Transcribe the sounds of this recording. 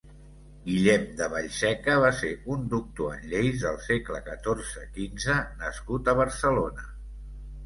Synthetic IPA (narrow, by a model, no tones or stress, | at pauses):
ɡiʎɛmd̪əβəʎsɛkəβ̞aseund̪uk̚t̪uə̰nʎejzðəlˠsekləkət̪orzəkinzənəskut̪əβ̞əɾsəlonə